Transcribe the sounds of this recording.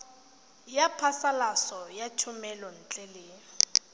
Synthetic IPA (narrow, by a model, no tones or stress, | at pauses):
japʰasalasɔjat͡ʃʰʊmɛlɔn̩t͡ɬʼɛlɪ